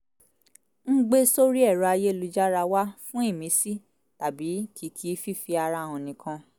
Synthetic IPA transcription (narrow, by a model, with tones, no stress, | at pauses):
n̩˦ɡ͡be˦so˦ɾi˦ɛ˦˨ɾɔ˧a˧je˦lu˧d͡ʒa˦ɾa˧wa˦fũ˦i˦˨mĩ˨˦si˦˨ | ta˨bi˨˦kʰi˨˦kʰi˦fi˦fi˧a˧ɾã˧˨ɔ̃˨nĩ˨kʰã˧